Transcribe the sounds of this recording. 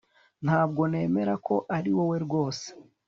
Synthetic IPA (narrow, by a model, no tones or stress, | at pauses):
n̥haːbɡo̞ne̞ːme̞ɾako̞ʔaɾiwo̞we̞ɾɡwo̞ːse̥